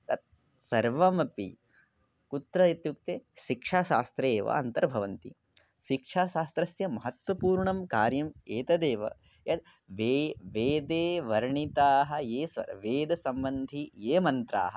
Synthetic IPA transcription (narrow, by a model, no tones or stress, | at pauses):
t̪ɐt̪̚ | sɐɾʋɐmɐpḭ | kut̪ɾɐit̪jukt̪eːʃikʂaːʃa̰ːst̪ɾeːʋɐ̰ɐ̰nt̪ɐɾbʱɐʋɐnt̪ḭ | ʃikʂʰaːʃaːst̪ɾɐsjɐmɐɦɐt̪ʋɐpuːɾɳɐmkaːɾjɐmeːt̪ɐd̪eːʋɐ̰ | jɐd̪̚ | ʋeʋeːd̪eːʋɐɾɳit̪aːɦɐ̆jeːsʋɐ̰ɾɐʋeːd̪ɐsɐmbɐnd̪ʱijeːmɐnt̪ɾa̰ːɦɐ